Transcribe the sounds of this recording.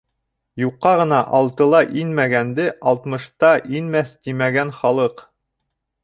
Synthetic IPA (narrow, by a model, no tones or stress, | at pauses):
juqːɑʁɤ̆nɑʔɑlˠt̪ɤ̆lˠɑʔinmæɡænd̪ɘʔɑlˠt̪mɤ̆ʃt̪ɑʔinmæθt̪imæɡænχɑlˠɤq